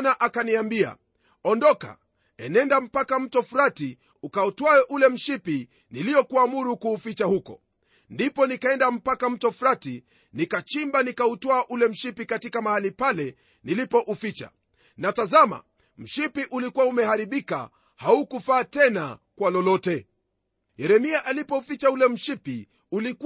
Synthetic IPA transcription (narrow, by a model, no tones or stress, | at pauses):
naʔakaniambia̰ | ɔndɔka̰ | ɛnɛndam̩pakam̩tɔfuɾati | ukautwaɛʔulɛm̩ʃipi | niliɔkuamuɾukuːfit͡ʃahukɔ̰ | ndipɔnikaɛndam̩pakam̩tɔfuɾati | nikat͡ʃimbanikautɔaʔulɛm̩ʃipikatikamahalipalɛ | nilipɔʔufit͡ʃa̰ | natazama̰ | m̩ʃipiʔulikuwaumɛhaɾiɓika̰ | haukufaːtɛna̰kwalɔlɔtɛ | jɛɾɛmiaʔalipɔufit͡ʃaulɛm̩ʃipi | ulik